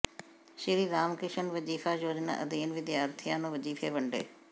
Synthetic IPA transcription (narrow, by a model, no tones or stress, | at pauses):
ʃɪɾiːɾaːmkɾɪʃənʋəd͡ʒiːfaːjoːd͡ʒnã̰ːʔəd̪iːnʋɪd̪ɪjaːɾt̪ʰijãːnõːʋəd͡ʒiːfʰeːʋəɳɖḛː